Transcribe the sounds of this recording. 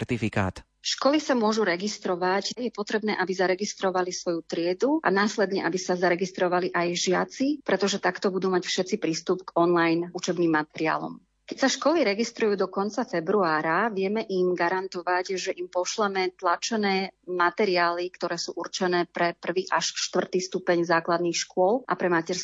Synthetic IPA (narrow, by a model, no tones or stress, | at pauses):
t̪ifika̰ːt̪ | ʃkɔlisamʊɔʒuɾɛɡist̪ɾɔʋacjɛpɔt̪ɾɛbnɛ̰ːʔabizaɾɛɡist̪ɾɔʋalisʋɔjut̪ɾɪɛd̪uʔa̰naːslɛd̪ɲɛʔabisazaɾɛɡist̪ɾɔʋaliʔajʒɪat͡sipɾɛt̪ɔʒɛt̪akt̪ɔbud̪uːmacfʃɛt͡sipɾiːst̪upɡɔnlajnut͡ʃɛbniːmːat̪ɛɾia̰ːlɔ̰m | kɛcsaʃkɔliɾɛɡist̪ɾujuːd̪ɔkɔnt͡safɛbɾuaːɾaʋɪɛmɛʔimɡaɾant̪ɔʋacʒɛʔimpɔʃlɛmɛt̪lat͡ʃɛnɛːmat̪ɛɾiaːlikt̪ɔɾɛːsuːʔurt͡ʃɛnɛːpɾɛpr̩ʋiːʔaʃʃt̪ʋr̩t̪ist̪upɛɲzaːklad̪nixʃkʊɔlʔa̰pɾɛmacɛɾsk